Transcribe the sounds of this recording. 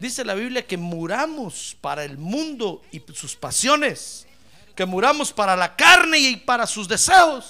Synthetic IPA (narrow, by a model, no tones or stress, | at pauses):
d̪ise̞laβiβljake̞muɾamospaɾaelmũnd̪o̞isuspasjo̞ne̞s | ke̞muɾamo̞spaɾalakaɾne̞iipaɾasuzd̪e̞se̞xos